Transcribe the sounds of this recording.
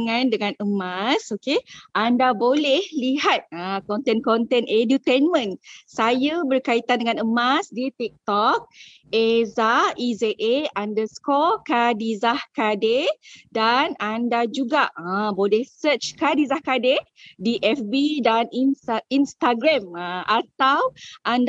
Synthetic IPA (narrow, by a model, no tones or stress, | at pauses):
ŋãndəŋãnəmasokeʔandabolɛhliɦat̪̚ə̃kɔnt̪ɛnkɔnt̪ɛnedut̪enmə̃nsajabərkait̪andəŋãnəmasdit̪ik̚t̪ɔk̚ | ezaizeʔeandəskɔkadizahkadedanandad͡ʒuɡaəbolɛhsət͡ʃkadizahkade | diʔɛfbidanininst̪aɡɾaməat̪awʔand